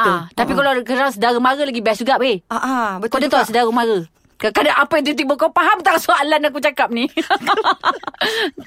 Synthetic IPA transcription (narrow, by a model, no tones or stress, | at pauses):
at̪ut̪apikalak̬əɾaŋsədaɾəmaɾəlaɡibɛsuɡaʔpeaʔakodat̪aasədaɣəmaɾə | kakadaʔapajat̪it̪̬ik̚bəkopaɦamt̪aŋsuaʔlanak̬ut͡ʃakap̚ni